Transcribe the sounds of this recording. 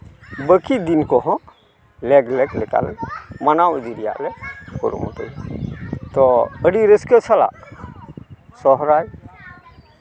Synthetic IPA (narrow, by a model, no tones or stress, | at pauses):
bəkid̪inkɔɦɔ̃ | lɛɡlɛɡlɛka̰lɛmanawəd̪iɾija̰ʔlɛkɔ̰ɾṵmɔ̰t̪əj | t̪ɔəɽiɾəskət͡ʃʰala̰ʔ | sɔɦɾaj